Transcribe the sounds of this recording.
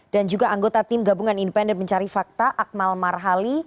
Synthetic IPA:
d̥and͡ʒuɡaʔaŋɡot̪at̪imɡabuŋanindəpɛndənməɲt͡ʃaɾifak̚t̪aʔak̚malmarɦali

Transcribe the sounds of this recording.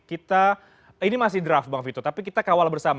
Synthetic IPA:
kit̪a | inimasɪhdɾafbaŋfit̪ɔt̪apikit̪akawalbərsam

